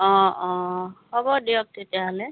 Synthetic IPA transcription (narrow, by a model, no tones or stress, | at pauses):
ɔ̃ɔ̃hɔbɔdijɔk̚tetijaɦɔlɛ